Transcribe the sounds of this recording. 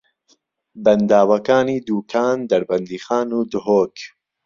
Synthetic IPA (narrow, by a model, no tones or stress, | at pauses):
bɐnd̪aːwɐkaːniːd̪uːkʰaːnd̪ɐɾbɐnd̪iːxaːnuːd̪ʊɦoːk